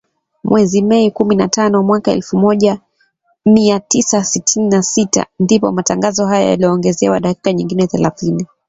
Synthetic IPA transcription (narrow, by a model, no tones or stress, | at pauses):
mwɛzimɛikuminatanɔmwakaɛ̰lfumɔʄa | miatisasitʰininasita̰ndipɔ̰mataŋɡazɔɦaja̰ja̰liɔːŋɡɛzɛwa̰ɗaki̥kaɲiŋɡinɛθɛlaθini